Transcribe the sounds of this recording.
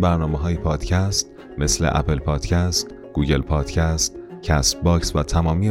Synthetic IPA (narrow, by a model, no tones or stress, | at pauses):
bæɾnɒːmeɦɒːjepʰɒːd̪̥cʰæst̪ | me̞slḛʔæ̰pʰelpʰɒːd̪̥cʰæst̪ | ɡ̥uːɟe̞lpʰɒːd̪̥cʰæst̪cʰæst̪bɒːcsvæt̪ʰæmɒːmiːe